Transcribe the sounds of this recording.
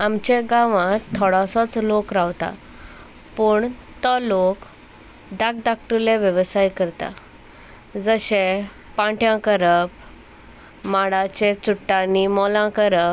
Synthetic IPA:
amt͡ɕẽɡãʋãt̪ʰːɔɽasɔt͡slokɾaʋt̪a̰ | puːɳt̪əlok | ɖak̚d̪ak̚ʈuleʋjəʋsajkəɾt̪a̰ | d͡zəɕe | pãʈʰjãkəɾəp | maɽat͡ɕet͡suʈːanimɔlãkəɾəp

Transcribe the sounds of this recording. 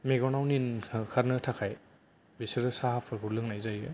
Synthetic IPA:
meɡɔnawninʰkʰaɾnɯtʰakʰaj | besɯɾɯsaɦapʰɯɾbʰuɾlɯŋnajzajɯ

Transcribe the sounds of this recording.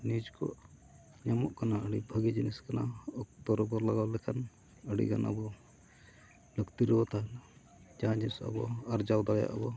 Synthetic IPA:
nid͡ʒkɔ̰ʔ | ɲamɔʔkanaəɽibʱəɡid͡ʒiniskanaɔk̚t̪ɔɾɔbɔɾlaɡawlɛkʰan | əɽḭɡa̰na̰bɔ | ləkt̪iɾɛwɔt̪aɦɛna | d͡ʒaɦãd͡ʒinisa̰bɔ̰ɐɾd͡ʒawd̪aɡja̰ʔəbɔ

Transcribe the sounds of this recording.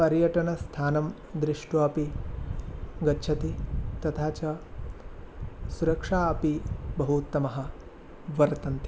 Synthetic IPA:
pɐɾjɐʈɐnɐst̪ʰaːnɐm | d̪ɾiʂʈuɐpi | ɡɐːt͡ʃʰɐt̪it̪ɐt̪ʰaːt͡ʃɐ | suɾɐkʂaːɐpibɐɦut̪ːɐmɐɦɐ̆ | ʋɐɾt̪ɐnt̪ʰi

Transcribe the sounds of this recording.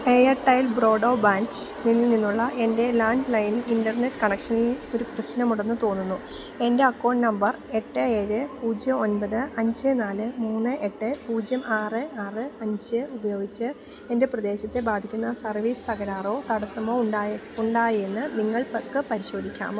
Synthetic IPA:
ejɐʈːɐjlbro̞ːɖoːbaːnsninːɨninːuɭːɐʔe̞nde̞laːɳɖlɐjnindɐrne̞ʈːkɐɳɐkʂɐnilo̞ɾuprɐɕnɐmuɽɐnːɨt̪o̞ːnːunːu | e̞nde̞ɐkːo̞ːɳnɐmbɐr | e̞ʈːɨe̞ːɻɨpuːd͡ʑjɐmo̞nbɐðɨɐɲd͡ʑɨnaːlɨmuːnːɨʔe̞ʈːɨpuːd͡ʑjɐmaːrɨaːrɨɐɲd͡ʑɨubɐjo̞ːɡit͡ɕːɨ | e̞nde̞prɐd̪e̞ːɕɐt̪ːe̞baːd̪ʱikʲːunːɐsɐrʋiːst̪ɐɡɐɾaːro̞ːt̪ɐɽɐsɐmoːa | uɳɖaːje̞nːɨniŋːɐɭpɐkːɨpɐɾiɕo̞ːd̪ʱikʲːa̰ːm

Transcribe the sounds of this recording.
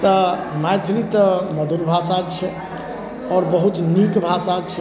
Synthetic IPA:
t̪ɔmajt̪ʰɾit̪əməd̪uɾbʱasat͡ʃʰɛ | ɔːɾbəɦut̪nikbʱasat͡ʃʰɛ

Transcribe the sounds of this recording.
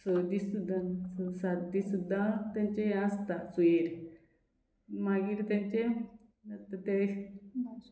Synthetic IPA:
səd̪isud̪ãnsəsad̪isud̪ʱːãt̪jãɲt͡ɕeəst̪asueɾ | maɡiːɾt̪jãɲt͡ɕe | at̪ət̪e

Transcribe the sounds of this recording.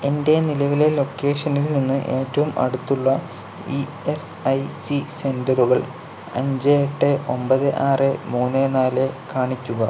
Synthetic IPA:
e̞nde̞nilɐʋile̞lo̞kːe̞ːʂɐnilninːɨʔe̞ːtːɐʋumɐ̰ɽut̪ːuɭːɐ | i | esɐjsise̞ndɐruɣɐɭ | ɐ̰ɲd͡ʑeeʈːɨʔo̞mbɐðɨʔaːremuːnːenaːlekaːɳikʲːuɣɐ

